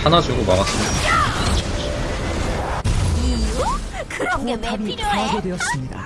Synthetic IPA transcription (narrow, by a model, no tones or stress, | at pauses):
anad͡ʑoɡomaɣas͈ɯmɲida | iu | kɯoabitaaɡodwe̞jʌs͈ɯmɲida̰